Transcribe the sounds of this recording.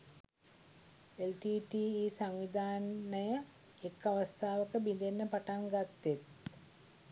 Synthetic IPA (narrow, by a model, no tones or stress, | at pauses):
elʈiːʈiːiːsaŋʋid̪ʱaːnːəjə | ekːaʋəst̪ʰaːʋəkəbind̪enːəpaʈaŋɡat̪ːet̪̚